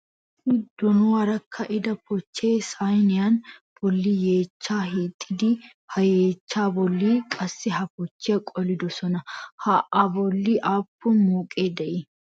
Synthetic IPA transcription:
ɪd̪ːɔnʊwɐɾɐkʰːɐʔɪd̪ɐpɔt͡ʃːe̞ːsajnɪjɐnb̥ɔlːije̞ːt͡ʃːaːhit̪ʰʼːɪd̪ɪ | hɐje̞ːt͡ʃːaːbɔlːiːkʼɐsːɪɦɐpɔt͡ʃːɪjɐkʼɔlɪd̪ɔsɔnɐhɐʔɐbɔlːiʔaːpːʊnmuːkʼeːd̪ɛʔɪ

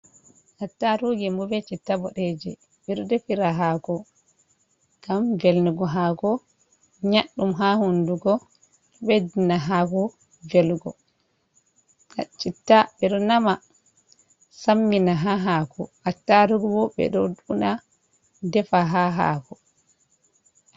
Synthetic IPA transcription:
ʔatːaɾuɡɛmbɔbɛt͡ʃitːabɔɗed͡ʒɛ | ɓɛɾɔdefiɾaɦakɔ | ɡ̥amvɛlnuɡɔɦakɔ | ɲaɗːumɦahunduɡɔ | ɗɔbɛdinaɦakɔ | vɛlɡɔ | at͡ʃitːabɛɗɔnama | samːinaɦaɦakʰɔ̰ʔatːaɾuɡɔbɔbɛ̰ɗɔduna | dɛfaɦaɦa̰kɔ

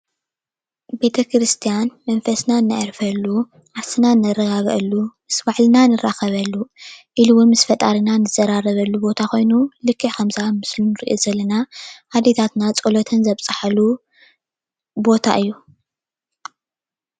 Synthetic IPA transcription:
be̞t̪ʰɐkɾɨst̪ʰijanmɐnfɐsnaɨnːa̰jɾfɐlːu | ʕasɨnanːɐrɐɡaɣʔɐ̰lːumɨsβaʕlɨnanɨraxɐβɐlːuʔiluwunmɨsfɐt̪ʼaɾinanɨzɐɾaɾɐβɐlːubo̞t̪ʰako̞jnulɨkʰːɨkʰɐmzamɨslunɨɾḭʔozɐlɐnahad̪et̪ʰat̪nat͡sʼolot̪ʰɐnzɐβt͡sʼɨħalu | bo̞t̪ʰa̰ʔɨjːu

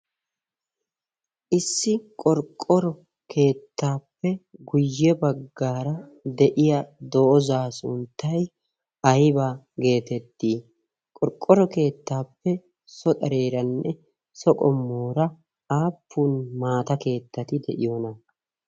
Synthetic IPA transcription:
ʔɪsːɪkʼɔɾkʼːɔɾɔ | kʰe̞ːt̪ʰːaːpːɛɡʊjːɛbɐɡːaːɾɐd̪ɛʔɪjɐd̪ɔʔɔzaːsʊnt̪ːɐj | ɐjbaː | ɡe̞ːt̪ɛt̪ːiː | kʼɔɾkʼːɔɾɔke̞ːt̪ːaːpːɛ | sɔt̪ʼɐɾe̞ːɾɐnːɛ | sɔkʼɔmːoːɾɐ | aːpʰːuːnmaːt̪ɐke̞ːt̪ːɐt̪ɪd̪ɛ̰ʔɪjoːnɐ

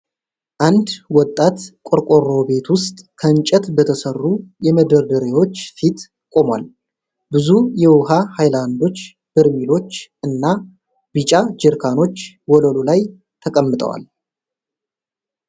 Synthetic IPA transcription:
ʔand̪wɔt̪ʼːat̪kʼoɾkʼo̞ro̞be̞t̪wʊst̪ʼkʰəɨnt͡ʃʼət̪bət̪ʰəsərːujɛməd̪əɾd̪əɾewo̞t͡ʃːfit̪ | kʼo̞mwa̰l | bɨzujɛwʊɦahajland̪o̞t͡ʃː | b̥ɨɾmilo̞t͡ʃːʔɨnːa | bɨt͡ʃʼad͡ʒɨɾkʰano̞t͡ʃː | wɔləlolaj | t̪ʰəkʼəmːɨt̪ʼə̰wa̰l

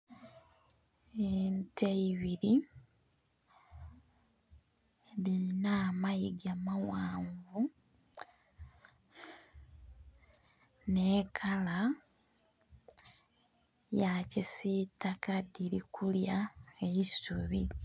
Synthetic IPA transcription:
enteiβiɾi | βiinaːmaiɡamawaːɱvu | neːkʰala | jacisitakadiɾikʰuljaeisuβi

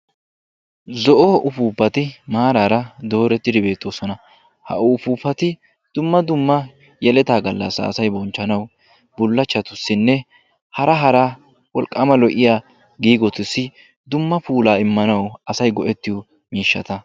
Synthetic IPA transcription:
zɔʔɔʔʊfuːpːɐt̪ɪmaːɾaːɾɐd̪o̞ːɾɛt̪ːɪd̪ɪbe̞ːt̪ʼːoːsɔnɐ | hɐ̰ʔʊʊfuːpːɐt̪ɪ | d̪̥ʊmːɐd̪ʊmːɐ | jɛlɛt̪aːɡɐlːɐ̰sa̰ːsɐjbɔnt͡ʃːɐnɐw | bʊlːɐt͡ʃːɐt̪ʊsːɪnːɛ | hɐɾɐɦɐɾa | wɔlkʼːɐmɐlɔʔɪjaː | ɡiːɡɔt̪ʊsːɪ | d̪ʊmːɐpuːlaːɪmːɐnɐwɐsɐjɡɔʔɛt̪ːɪjʊ | miːʃːɐ̰t̪ɐ

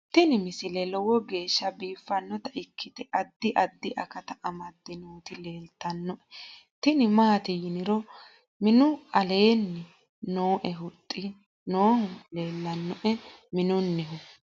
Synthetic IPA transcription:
t̪ɪnɪmɪsɪlɛlɔwɔɡe̞ːʃːɐbiːfːɐnːɔt̪ɐʔɪkʰːɪt̪ɛʔɐd̪ːɪʔɐd̪ːɪʔɐ̰kɐt̪ɐʔɐmɐd̪ːɪnoːt̪ɪle̞ːlt̪ːɐnːɔʔɛt̪ɪnɪmaːt̪ɪjɪnɪɾɔ | mɪnʊɐle̞ːnːɛ | noːʔɛɦʊt̪ʼːɪ | noːhʊle̞ːlːɐnːɔʔɛmɪnʊnːɛɦʊ

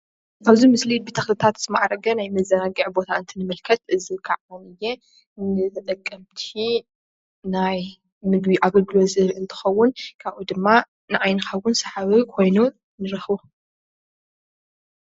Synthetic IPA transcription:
kʰaβzimɨslibet̪ʰɐxlɨt̪ʰat̪z̥ɨmaʕɾɐɡɐnajmɐzːɐnaɡɨʕbo̞t̪ʰaɨnt̪ʰɨnɨmɨlkʰɐt̪ʔɨzikʰaʕwonɨjːe | nɨt̪ʰɐt̪ʼɐkʼːɐmt̪ʰi | naj | mɨɡbiʔaɡɐlɡɨlozɨɾʔɨnt̪ʰɨ̥xɐwːʊnkʰaβʔud̪ɨmːa | nɨʕajnɨxɐwːʊnsɐħaβɨkʰo̞jnu | nɨɾɐxβo

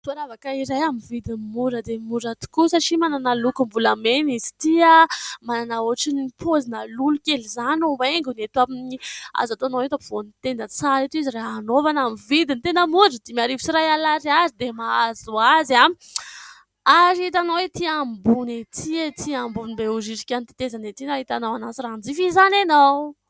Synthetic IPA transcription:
suaɾavakaiɾajamivid̪inmuɾəd̪eimuɾat̪u̥kusaʈ͡ʂimananalukumvulamenizi̥t̪iamananaoaʈ͡ʂinipʰozinalulukʲelizanoaeŋɡunet̪uaminia̰zat̪oanawet̪apv̥onit̪enət͡sanet̪uiziraɦanovanamivid̪int̪enəmuɖ͡ʐid̪imaɾivisiɾajalaɾiazid̪emaazuazami | aɾit̪anawet̪iambunet̪ʰiet̪ʰiambunibeuziʈ͡ʂi̥kʲanit̪i̥t̪ezanet̪inaɦit̪anawanasiraand͡zifizananaw

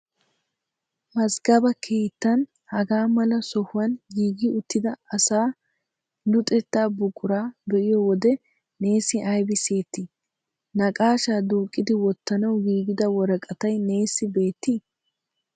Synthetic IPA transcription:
mɐsɡɐbɐkʰeːt̪ːɐn | hɐɡaːmɐlɐsɔhʊwɐnɡiːɡɪʊt̪ːɪd̪ɐɐsaː | lʊt̪ʼɛt̪ːaːbʊkʼːʊɾaːbɛʔɪjɔwɔd̪ɛ | ne̞ːsɪʔɐjbɪseːt̪ːɪ | nɐkʼaːʃaːd̪uːkʼːɪd̪ɪwɔt̪ːɐnɐwɡiːɡɪd̪ɐwɔɾɐkʼɐt̪ɐjne̞ːsːɪbe̞ːt̪ːi

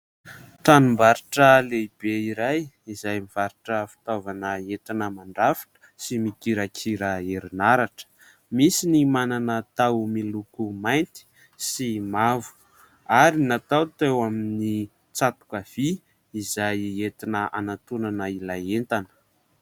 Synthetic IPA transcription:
t̪anumbaɾiʈ͡ʂəlebeiɾaj | izajmiv̥aɾiʈ͡ʂəfi̥t̪ovanəet̪inəmaɳɖ͡ʐafi̥ʈ͡ʂsimikiɾakʰiɾəeɾinaɾaʈ͡ʂə̥ | misinimananət̪awmilukumajnt̪i̥ | simavu̥ | aɾinat̪awt̪ewamini | t͡sat̪u̥kav̥i | izajet̪inəʔa̰nat̪unanəilaent̪anə̥

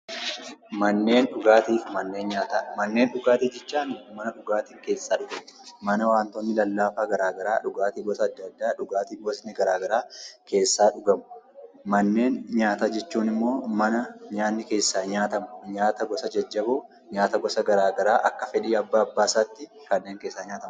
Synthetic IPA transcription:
mɐnːe̞ːnᶑʊɡaːt̪iːfmɐnːe̞ːnɲaːt̪amɐnːe̞ːnᶑʊɡaːt̪iːd͡ʒɛt͡ʃːaːnɪmɐnɐᶑʊɡaːt̪iŋke̞ːsːaːᶑʊɡɐmʊmɐnɐwaːnt̪onːɪlɐlːaːfaːɡɐɾaːɡɐɾaːᶑʊɡaːt̪iːɡɔsɐːd̪ːɐd̪ːaːᶑʊɡaːt̪iːfɡɔsnɪɡɐɾaːɡɐɾaːkʰe̞ːsːaːᶑʊɡɐmʊ | mɐnːe̞ːnɲaːt̪aːd͡ʒɛt͡ʃːuːnɪmːo̞ːmɐnɐɲaːnːɪke̞ːsːaːɲaːt̪ɐmʊɲaːt̪ɐɡɔsɐd͡ʒɐd͡ʒːɐbʊː | ɲaːt̪ɐɡɔsɐɡɐɾaːɡɐɾaːʔɐkːɐfɛᶑiːɐbːaːbːaːsaːt̪ːɪ | kɐnːeːŋke̞ːsːaːɲaːt̪ɐm

